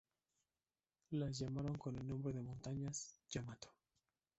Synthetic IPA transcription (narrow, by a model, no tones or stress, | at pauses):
lazʝamaɾo̞ŋko̞ne̞lnõmbɾe̞ðemõ̞nt̪aɲasʝamat̪o̥